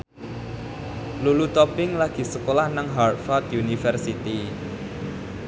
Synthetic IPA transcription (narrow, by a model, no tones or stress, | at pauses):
lulut̪ɔpɪŋlaɡ̥i̤səkolahnaŋɦart̪fat̪junifɛrsit̪i